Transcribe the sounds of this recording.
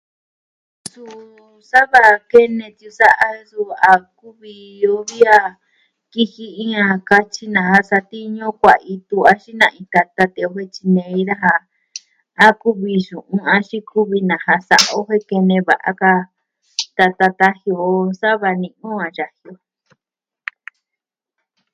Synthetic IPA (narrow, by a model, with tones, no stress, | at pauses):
su˧ | sa˦βa˧ke˦nẽ˧t̪ju˧sa˦ʔa˦su˧a˧ku˦βi˧o˧˦βi˦a˧ | ki˦hi˧ĩ˦ã˧ka˧t͡ʃi˦nã˨ɦa˧sa˧t̪i˦ɲõ˦kʷa˨ʔi˧t̪u˧a˧ʃi˦nã˧ʔĩ˧t̪a˧t̪a˧t̪ẽ˧o˧ɦe˦t͡ʃi˧nẽ˧ĩ˦ɾa˦ɦa˧ | a˦ku˦βi˧ʃũ˨ʔũ˧ã˧ʃĩ˦ku˦βi˧nã˨ɦa˧sa̰˧ʔo˦ɦe˦ke˧nẽ˧βa̰˨ʔa̰˧ka˧ | t̪a˧t̪a˧t̪a˦hjo˧˨sa˦βa˧nĩ˧ʔũ˦ã˨ʐa˧hjo˧˨